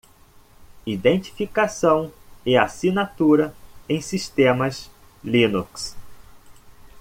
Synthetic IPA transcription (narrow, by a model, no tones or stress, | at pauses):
id̪ẽnt͡ʃi̥fikasɐ̃w̃ɪasinat̪uɾɐẽj̃siʃt̪ẽmɐs | lĩnuks